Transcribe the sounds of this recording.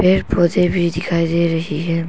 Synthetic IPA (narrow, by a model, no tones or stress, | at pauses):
peːɾpʰoːzebʱid̪ɪkʰaːid̪eɾɐɦiɦɛ